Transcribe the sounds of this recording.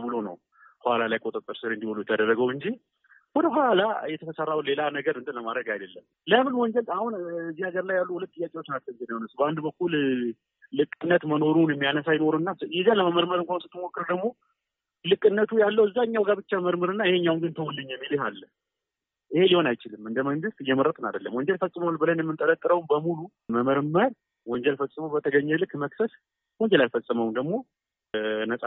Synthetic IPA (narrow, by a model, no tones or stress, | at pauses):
bɨlonə̰w | hoalalajkʼot̪ʼət̪ʼːɨɾsɨɾɛnd̪iholujɛt̪ʰːəd̪ərːəɡəwɨɲd͡ʒi | wɔd̪əɦʷalajɛt̪ʰəfəsərːawle̞lanəɡəɾɨnt̪ʼɨnləmad̪ɾəɡajdəlːəm | ləmɨnwɔɲd͡ʒɛlahunzːiaɡəɾlajːalːuhulət̪t̪ʼːɨjːakʼiwot͡ʃːnat͡ʃːɛwnt̪ɨnajhonəsbəand̪bəkːul | lɨkʼːɨnːət̪məno̞ɾunjɛmːijanəsajɪno̞ɾuɨnːajɛzaləməməɾməɾɨmkʷansɨt̪ʰːɨmo̞kːɨɾəd̪əɡmo̞ | lɨkʼːɨnːət̪ʰujalːəwɨzːaɲːawɡabɨt͡ʃːaəməɾmɨɾɨnːaɪheɲːawnɡɨnt̪ʰəwulːɨɲːɛmːilɪɦalːə | ʔihe̞liho̞najt͡ʃɪlɨmːɨnd̪əməŋɡɨst̪ʼɨjːɛməɾət̪ʼna̰d̪əlːəmwɔɲd͡ʒɛlfəsʼɨməwalbɨlənjɛmːɨnt̪ʼələt̪ʼːɨɾəwnbəmulu | məməɾməɾ | wɔɲd͡ʒɛlfəsʼɨməwbət̪ʰəɡəɲːɛlɨkːməksəs | wɔɲd͡ʒɛlalfəsʼːɨməwnd̪əɡmo̞ | nəsʼa